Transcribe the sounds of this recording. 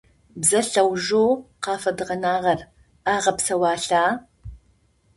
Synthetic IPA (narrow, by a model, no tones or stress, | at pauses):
bzɐɬɐwʒoːwqɑːfɐdɨʁɐnaːʁɐr | aːʁɐpsɐwɑːɬaː